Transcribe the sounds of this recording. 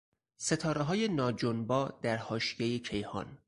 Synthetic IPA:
se̞t̪ʰɒːɾeɦɒːje̞nɒːd͡ʒonbɒːd̪̥æɾhɒːʃijejecʰe̞jhɒ̰ːn

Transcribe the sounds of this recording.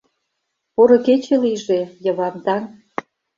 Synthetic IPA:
poɾŏket͡ɕeliʒejə̆βɑmd̪ɑn

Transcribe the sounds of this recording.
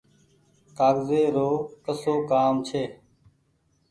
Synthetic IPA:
t̪aːɡzeːɾoːkəsoːkaːmt͡ʃʰeː

